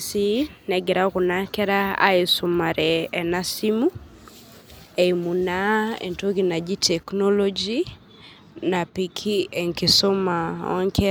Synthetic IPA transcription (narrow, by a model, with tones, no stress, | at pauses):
si˦nɛ˨ɡɪ˨ɾa˦kʊ˨na˦ŋkɛ˦ɾa˦a̰˦ɪ˨sʊ˨ma˨ɾɛː˨na˦si˦mu˦ | e˨imu˨na˦ḛ˨nto˦ɡina˨d͡ʒi˦tʰɛ˨kno˦lo˦d͡ʒi | na˨pikʰi˦ɛ˨ŋki˨so˦ma˨ɔ̰˦ŋkɛ